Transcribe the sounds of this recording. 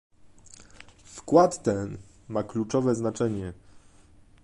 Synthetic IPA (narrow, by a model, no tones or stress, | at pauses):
fkwat̪ːɛn | maklut͡ʂɔvɛznat͡ʂɛɲɛ